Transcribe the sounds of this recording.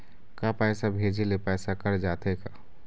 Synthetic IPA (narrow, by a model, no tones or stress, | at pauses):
kapɛːsabʱed͡ʒelepɛːsakəɾd͡ʒaːt̪eka